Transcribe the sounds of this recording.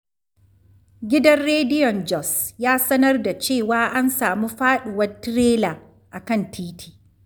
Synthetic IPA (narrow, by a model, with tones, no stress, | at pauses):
ɡʲɪ˦dɐ˦nɽeː˦dɪ˦jɔ˨nd͡ʒɔ˨sjaː˦sɐ˦nɐ˦rda˨t͡ʃeː˦˨waː˦ʔa˦nsaː˨muː˦ɸaː˦ɗʊ˨wɐ˦rtɪ˦ɾeː˦laː˨ | ʔa˨kɐ˦˨ntʰiː˦tʰi̥ː˨